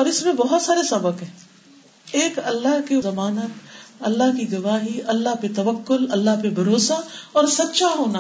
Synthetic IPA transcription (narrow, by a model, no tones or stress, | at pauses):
ɔːɾɪsmẽbɔɦʊt̪saːɾesɐbəkɦɛ̃ː | eːkɐlːaɦkezɐmaːnət̪ɐlːaɦkiɡɐʋaːɦiʔɐlːaɦpet̪ɐʋəkːʊlɐlːaɦpebʱɐɾoːsaɔːɾsɐt̪ʃaɦoːna